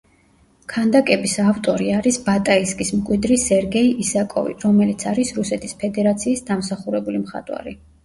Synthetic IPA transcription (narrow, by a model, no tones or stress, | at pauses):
kʰand̪akʼɛbisavt̪ʼɔɾiaɾisbat̪ʼaiskʼismkʼwid̪ɾisɛɾɡɛiʔisakʼɔ̰vḭɾɔmɛlit̪sʰaɾisɾusɛt̪ʰispʰɛd̪ɛɾat̪sʰiːsd̪amsaχuɾɛbulimχa̰t̪ʼwa̰ɾi